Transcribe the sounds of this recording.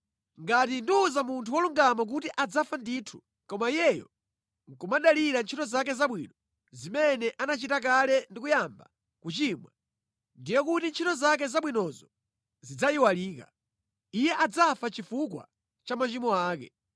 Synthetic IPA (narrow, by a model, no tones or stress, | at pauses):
ŋɡatinduːzamuntʰuwɔluŋɡamak̬utiʔad͡zafandiːtʰu̥ | kɔmaijɛjɔ̰ | ŋ̩kumaɗaliɾant͡ʃʰitɔzak̬ɛzaɓwḭnɔ | zimɛnɛʔanat͡ʃitak̬alɛndik̬ujamba̰ | kut͡ʃimwa̰ | ndijɔkutint͡ʃʰitɔzak̬ɛzaɓwinɔzɔ | zid͡zajiwaliːka̰ | ijɛʔad͡zafat͡ʃifukwa̰ | t͡ʃamat͡ʃimɔaːkɛ̰